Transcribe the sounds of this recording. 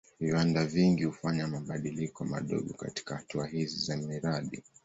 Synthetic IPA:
viwandaviŋɡihufaɲamaɓaɗilikɔma̰ɗɔ̰ɠɔka̰ti̥kahatuaɦizizamiɾaɗḭ

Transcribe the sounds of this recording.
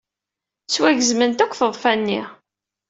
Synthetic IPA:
swæʝəzmənt̪ækʷːθəðˤfænːi

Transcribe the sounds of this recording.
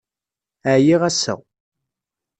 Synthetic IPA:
əʕjiʁæsæ̰w

